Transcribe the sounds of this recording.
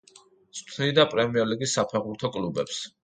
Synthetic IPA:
sʼt̪ʰnid̪apʼɾɛmiɛɾliɡisːapʰɛʁbuɾt̪ʰɔkʼlubɛ̰ps

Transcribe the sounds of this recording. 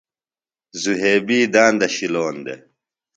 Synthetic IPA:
zuɦeːbiːd̪aːnd̪ɐɕiloːnd̪ḛ

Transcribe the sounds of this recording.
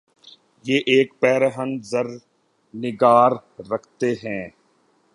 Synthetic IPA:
jeːʔeːkpɛːɾɦə̃nd̪zəɾ | nɪɡaːɾːɐkʰt̪eɦɛ̃ː

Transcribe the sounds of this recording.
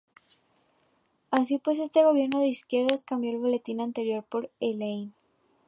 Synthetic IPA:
as̬ipwe̞s̬e̞st̪e̞ɣo̞β̞je̞ɾnoðe̞iskje̞ɾðaskambjo̞elβo̞le̞t̪inant̪e̞ɾjo̞ɾpo̞ɾelejn

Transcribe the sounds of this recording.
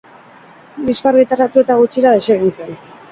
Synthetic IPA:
liskaɾɣit̪aɾat̪ue̞t̪aɣut͡ʃiɾaðe̞seɣinsen

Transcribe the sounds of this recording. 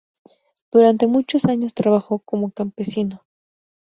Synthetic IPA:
d̪̥uɾant̪e̞mut͡ʃo̞saɲo̞st̪ɾaβaxo̞ko̞mokampe̞sino̞

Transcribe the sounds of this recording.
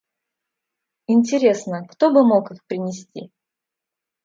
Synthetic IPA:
ɪnʲtʲɪɾʲe̞snəkt̪obɨmokɨxpɾʲɪnʲɪsʲtʲḭ

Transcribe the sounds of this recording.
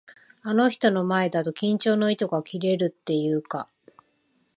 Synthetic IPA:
ano̞çi̥t̪o̞no̞mae̞d̪at̪o̞kʲĩɲ̟t͡ɕo̞ːno̞it̪o̞ɡakʲiɾe̞ɾɯ̟t̪ːe̞jɯːka̰

